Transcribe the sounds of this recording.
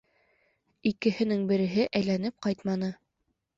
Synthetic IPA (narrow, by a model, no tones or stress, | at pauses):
ikɘ̆hɘ̆nɘŋbɘ̆ɾɘ̆ɦɘʔæjlænɘp̚qɑjt̪mɑnɤ